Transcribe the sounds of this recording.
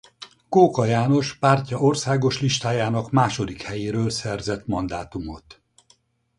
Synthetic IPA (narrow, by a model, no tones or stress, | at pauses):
koːkɒjaːno̞ʃpaːrcɒo̞rsaːɡo̞ʃliʃt̪aːjaːnɒkmaːʃo̞d̪ikhɛjeːɾøːlsɛrzɛt̪mɒnd̪aːt̪umo̞t̪